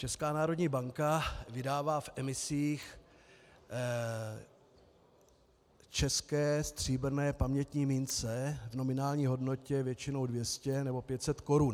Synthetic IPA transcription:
t͡ʃɛskaːnaːɾo̞dɲiːbaŋkavɪdaːvaːfʔɛmɪsiːx | t͡ʃɛskɛːst̪r̝̥iːbɾnɛːpamɲɛt̪ɲiːmint͡sɛvno̞mɪnaːlɲiːɦo̞dno̞cɛvjɛt͡ʃɪno̞wdvjɛscɛnɛbo̞pjɛt̪sɛt̪ko̞ɾun

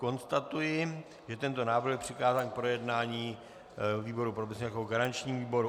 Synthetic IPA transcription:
ko̞nst̪at̪ujɪ | ʒɛt̪ɛnt̪o̞naːvɾ̩ɣxjɛpr̥ɪkaːzaːnk̚pɾo̞jɛdnaːɲiː | viːbo̞ɾupɾofɛsɲɛt̪akoɦoɡaɾant͡ʃɲiːmviːbo̞ɾu

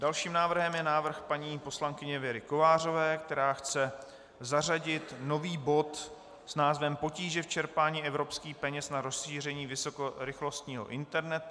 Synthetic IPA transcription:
dalʃiːmnaːvr̩ɦɛmjɛnaːvr̩xpaɲiːpo̞slaŋkɪɲɛvjɛɾɪkovaːr̝o̞vɛːk̚t̪ɛɾaːxt͡sɛ | zaraɟɪt̪no̞viːbo̞t̪ | snaːzvɛmpo̞ciːʒɛft͡ʃɛɾpaːɲiːʔɛvɾo̞pskiːxpɛɲɛsnaɾo̞sʃiːr̝ɛɲiːvɪsokoɾɪxlo̞st̪ɲiːɦo̞̰ʔɪnt̪ɛɾnɛt̪

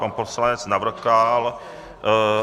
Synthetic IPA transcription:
anposlaɲɛt͡snavr̩kal

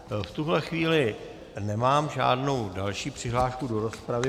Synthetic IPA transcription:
ft̪uɦlɛxviːlɪ | nɛmaːmʒa̰ːdno̞wdalʃiːpr̝̥ɪɦlaːʃkudo̞ɾo̞spɾavɪ

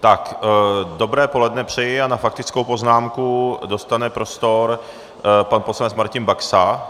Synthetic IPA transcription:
t̪akdo̞bɾɛːpo̞lɛdnɛpr̝̥ɛjɪanafak̚t̪ɪt͡skowpo̞znaːmkudo̞st̪anɛpɾo̞st̪o̞ɾ | panposlanɛt͡smaɾcɪnbaksa

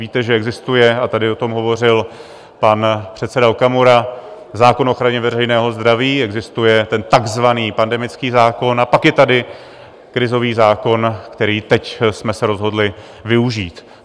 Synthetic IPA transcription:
viːt̪ɛʒɛɛɡzɪst̪ujɛat̪adɪo̞t̪o̞mɦo̞vo̞r̝ɪl | panpr̥ɛt̪sɛdaokamoɾa | zaːko̞nʔoxɾaɲɛvɛrɛjnɛːɦo̞zd̪ɾaviːɛɡzɪst̪ujɛt̪ɛnt̪aɡzvaniːpandɛmɪt͡skiːzaːko̞napakjɛt̪adɪ | kɾɪzo̞viːzaːko̞nkt̪ɛɾiːt̪ɛcsmɛsɛɾo̞zɦo̞dlɪ | vɪuʒiːt̪

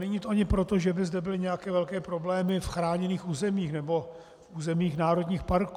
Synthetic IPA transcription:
nɛɲiːt̪oʔaɲɪpɾo̞t̪o̞ʒɛbɪzdɛbɪlɪɲɛjakɛːvɛlkɛːpɾo̞blɛːmɪfxɾaːɲɛniːxʔuːzɛmiːxnɛbo̞ | fuːzɛmiːxnaːɾo̞dɲiːxpaɾk

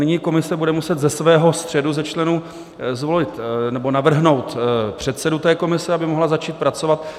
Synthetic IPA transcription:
nɪɲiko̞mɪsɛbudɛmusɛt̪zɛsvɛːɦo̞st̪r̝̥ɛduzɛt͡ʃlɛnuː | zvolɪt̪nɛbo̞navr̩ɦno̞wt̪pr̝̥ɛt̪sɛdut̪ɛːko̞mɪsɛabɪmoɦlazat͡ʃiːt̪̚pɾat͡so̞vat̪̚

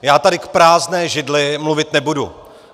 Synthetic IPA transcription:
jaːt̪adɪkpɾaːznɛːʒɪdlɪmluvɪt̪nɛbudṵ

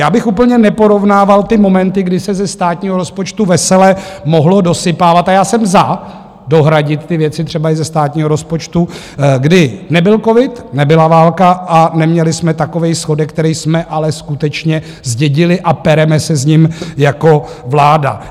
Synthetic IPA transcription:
jaːbɪxuːp̬l̩ɲɛnɛpo̞ɾo̞vnaːvalt̪ɪmo̞mɛnt̪ɪɡdɪsɛzɛst̪aːt̪̚ɲiːɦoɾospot͡ʃt̪uvɛsɛlɛmo̞ɦlo̞dosɪpaːvat̪ajaːsɛmza | do̞ɦɾaɟɪt̪t̪ɪvjɛtt͡sɪt̪r̝̥ɛbaɪzɛst̪aːt̪ɲiːɦoɾo̞spot͡ʃt̪u | ɡdɪnɛbɪlko̞vɪt̪nɛbɪlavaːlkaʔanɛmɲɛlɪsmɛt̪ako̞vɛjsxo̞dɛk̚ːt̪ɛɾɛjsmɛʔalɛskut̪ɛt͡ʃɲɛ | zɟɛɟɪlɪʔapɛɾɛmɛsɛzɲɪmjako̞vlaːda̰

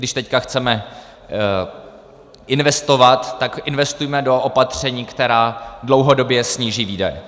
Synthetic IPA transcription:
dɪʃt̪ɛckaxt͡sɛmɛ | ʔɪnvɛst̪o̞vat̪ːakʔɪnvɛst̪ujmɛdo̞ʔopat̪r̝̥ɛɲiːkt̪ɛɾaːdlowɦo̞do̞bjɛsɲiːʒiːviːdɛ̰jɛ̰

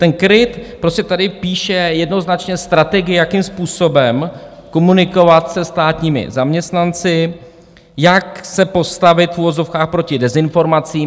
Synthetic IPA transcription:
t̪ɛnkɾɪt̪pɾo̞scɛt̪adɪpiːʃɛjɛdnoznat͡ʃɲɛst̪ɾat̪ɛɡɪjakimspuːso̞bɛmko̞munɪko̞vat̪sɛst̪aːt̪ɲiːmɪ̰zamɲɛst̪nant͡sɪ | jaksɛpo̞st̪avɪt̪fuvo̞zo̞fkaːxpɾo̞cɪdɛzɪnfo̞ɾmat͡siː

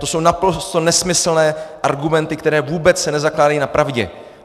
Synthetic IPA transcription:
t̪o̞so̞wnapɾo̞st̪o̞nɛsmɪsl̩nɛːʔaɾɡumɛnt̪ɪkt̪ɛɾɛːvuːbɛt͡ssɛnɛzaklaːdajiːnapɾʔavɟɛ̰

